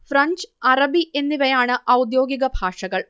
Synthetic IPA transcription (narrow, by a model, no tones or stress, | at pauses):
fɾɐɲd͡ʒɐrɐbiʔenːiʋɐjaːɳɨʔɐwud̪jo̞ːɡiɣɐbʱaːʂɐɣɐɭ